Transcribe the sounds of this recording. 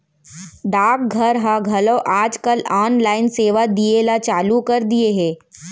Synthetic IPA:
ɖaːk̚ɡʱɐɾɦaɡʱɐloʔaːd͡ʒkəlaːnlaːɪnseːʋad̪ielat͡ʃaːlukɐɾd̪ieɦɛ̃ː

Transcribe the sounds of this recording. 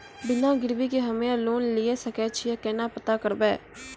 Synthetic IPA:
bɪnãːɡɪɾbiːkeɦəmẽːaloːnlɪeːsəkɛːt͡ʃʰɪjaːkɛːnãːpət̪aːkəɾbɛː

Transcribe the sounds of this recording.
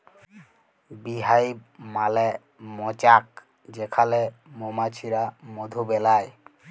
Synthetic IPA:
biɦajmalɛ | mɔt͡ɕak̚ | d͡ʑekʰale | momat͡ɕʰiɾamod̪ʱobɛlaj

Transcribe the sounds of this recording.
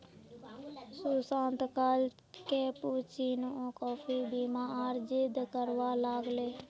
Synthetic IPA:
suːsãːnt̪kəl | keːpuːt͡ʃiːnõːkɔːpʰiːbiːmãːaːɾd͡ʒɪd̪kəɾʋaːlaːɡleː

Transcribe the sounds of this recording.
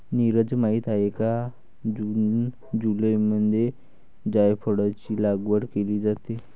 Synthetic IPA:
niɾəd͡zmait̪aeka | d͡ʑun | d͡ʑuləjmənʱje | d͡ʑajfʰoɽat͡ɕiːlaɡʋəɾkeliːd͡zat̪e

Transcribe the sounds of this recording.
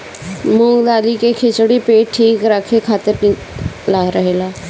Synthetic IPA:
mʊ̃ːŋɡd̪aːliːkeːkʰɪt͡ʃɽiːpeːʈʈʰːiːkɾəkʰːeːkʰaːt̪əɾniː | laːɾəɦeːlaː

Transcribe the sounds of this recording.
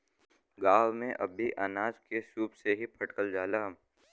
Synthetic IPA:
ɡaːwmẽʔɐbʱiʔanaːd͡ʒkesuːpseɦipʰɐʈkəld͡ʒaːlaɦm

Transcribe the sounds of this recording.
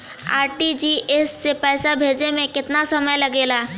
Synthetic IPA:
a̰ːɾʈid͡ʒiːʔesːepɛːsabʱeːd͡ʒnemẽkɪt̪nasɐməjlɐɡeːlaː

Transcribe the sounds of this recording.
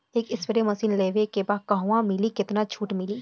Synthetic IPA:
eːkɪsfɪɾemɐsiːnleːʋekebaːkɐɦuwãmɪlikɪt̪nat͡ʃʰuːʈmɪliː

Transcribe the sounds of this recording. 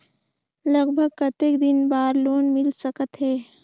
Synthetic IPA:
lɐɡbʱəɡ̚kɐt̪eːkd̪ɪnbaːɾloːnmɪlsɐkət̪ɦɛː

